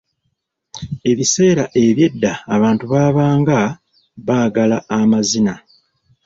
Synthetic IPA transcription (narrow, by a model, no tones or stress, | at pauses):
e̞βise̞ːɾaʔe̞βje̞dːaːβaːntuβaːβaːŋɡa | βaːɡalaːmazina